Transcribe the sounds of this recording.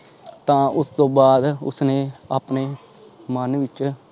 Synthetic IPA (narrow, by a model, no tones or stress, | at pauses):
t̪ãːʊst̪õːbaːd̪ʊ̰sneːaːpneː | mənʋɪt͡ʃ